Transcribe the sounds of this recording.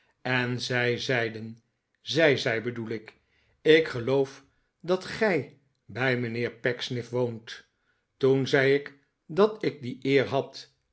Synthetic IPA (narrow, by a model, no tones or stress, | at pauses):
ɛnzɛjzɛjdən | zɛjzɛjbədulɪk | ɪkχəlowf | dɑtχɛj | bɛjmənɪːɹpɛksnɪfʋownt | tunzɛjɪk | dɑtɪk̚diʔɪːɹɦɑt